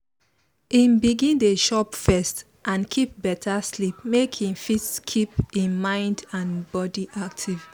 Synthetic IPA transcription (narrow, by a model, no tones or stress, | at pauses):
ĩnbiɡĩndeʃɔpfɛst | ʔãnkʰip̚bɛtʰaslipmekʰĩnfitskʰipĩnmãɪ̃ndãnbɔdiʔak̚tʰiv̥